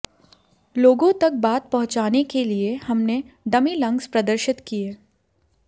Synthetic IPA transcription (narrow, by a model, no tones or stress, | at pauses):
loːɡõt̪ɐk̚baːt̪̚pɐɦʊ̃t͡ʃaːnekeliehɐmne | ɖɐmilɐ̃ŋɡspɾɐd̪əɾʃɪt̪kieː